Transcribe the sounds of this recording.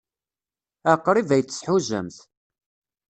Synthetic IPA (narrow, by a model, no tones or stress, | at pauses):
æqːɾˤivæjt͡sːə̥sħuʒə̰mθ